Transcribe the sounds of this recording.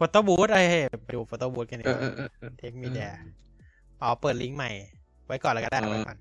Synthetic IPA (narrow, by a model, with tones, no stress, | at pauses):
fo˧t̪ːoː˧˩buː˨˦˥t̪̚ʔa˧˩ja˧˩pa˧duː˧˩foː˧˩t̪ːoː˧˩buː˦˥t̪̚ka˧ni˧t̪ʰeː˦˥k̚mi˧˥dɛː˧˩ | ʔɔː˨˩pɤː˨˩t̪̚li˦˥ŋma˨˩j | wa˦˥jkɔː˨˩nla˧˩ka˧da˥˧˩waː˦˧˩kɔ̰˨˩n